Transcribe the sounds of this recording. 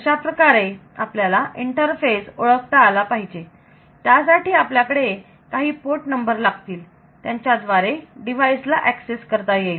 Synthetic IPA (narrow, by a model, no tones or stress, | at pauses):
əɕapɾəkaɾeapljalaʔiɳʈəɾfesoɭəkt̪aːlapaɦid͡ʑe | t̪jas̬aʈiːapljakəɽe | kaɦiːpoʈnəmbəɾlaɡt̪iːl | t̪jaɲt͡ɕjad̪ʋaɾeɖiʋ̤ajslaʔɛkseskəɾt̪aje